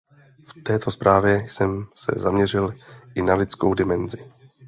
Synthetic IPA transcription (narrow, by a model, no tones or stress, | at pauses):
ft̪ɛːt̪o̞spɾʔaːvjɛsɛmsɛ̰zamɲɛr̝ɪlʔɪnalɪt͡skowdɪmɛnzɪ